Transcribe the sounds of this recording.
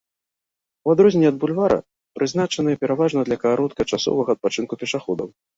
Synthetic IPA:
wad̪ɾɔzʲnʲːɛɐd̪̚bulʲvaɾɐ̰ | pɾʔɨzn̪at͡ʂɐnɨjɛpʲɛɾavaʐnɐd̪lʲɐkɐaɾɔt̪kɐt͡ʂasɔ̰vɐɣɐːt̪̚pat͡ʂɨnkupʲɛʂaxɔd̪ɐ̰w

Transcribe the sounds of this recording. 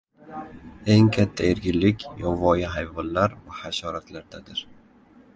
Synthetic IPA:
e̞ŋkʲʰat̪ʰːaeɾɡʲɪlːɪkʲjɒvɒjɪɦajvɒnlaɾvahaʃɒɾat̪laɾd̪ad̪ɪɾ

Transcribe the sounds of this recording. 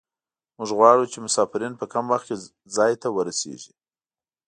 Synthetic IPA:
mʊʐɣwɑɽut͡ʃemʊsɑfɪɾinpəkamwaxke | zɑjt̪awəɾasḛʒi

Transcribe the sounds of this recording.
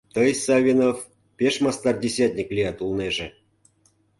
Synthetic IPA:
t̪əjsɑvʲinof | pʲeʃmɑst̪ɑrdʲesʲat̪ʲnʲiklʲijɑt̪ulˠneʒĕ

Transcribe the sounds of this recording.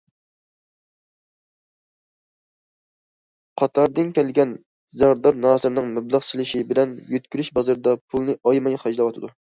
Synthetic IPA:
qʰɑt̪ʰɑɾd̪ɨnkʲʰɛlɡʲɛn | zɑʁɾd̪ɑɾnɑːzɨɾnɨŋmɛblˠɑʁt͡ʃʰilˠɨʃibɪlɛnjøt̪̚kʲyɾyʃbɑzɑɾɨd̪ɑpʰulˠnɨʔɑjmɑjχɑd͡ʒlˠɑwɑt̪ʰɨd̪u

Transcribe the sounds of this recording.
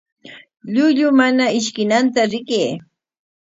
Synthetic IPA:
ʎʊʎʊmanaɪʃkɪnant̪aɾɪkeː

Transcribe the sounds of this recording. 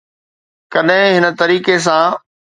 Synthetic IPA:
kɐɗɦɪ̃ɦɪnə̆t̪ɐɾiːkes̬ãː

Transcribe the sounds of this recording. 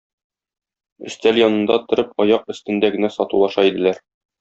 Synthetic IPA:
ɵ̆st̪æljɒnɤ̆nd̪ɑt̪ŏɾɤpɒjɑq̚ɵ̆st̪ɘ̆nd̪æɡɘ̆næsɒt̪ulˠɑʃɑid̪ɘ̆læɾ

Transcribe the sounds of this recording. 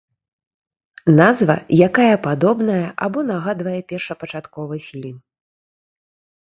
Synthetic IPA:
nazvɐ̰jakajɐpad̪ɔbnɐjɐʔa̰bɔnaɣad̪vɐjɛpʲɛrʂɐpɐt͡ʂat̪kɔvɨfʲilʲm

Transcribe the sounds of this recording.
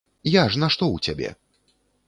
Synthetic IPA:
jaʐnɐʂt̪ɔut͡sʲabʲɛ̰

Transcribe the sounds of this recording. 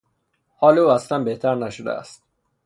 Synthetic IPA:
hɒːleuːæslænbe̞ht̪ʰæɾnæʃod̪æ̰æ̰st̪

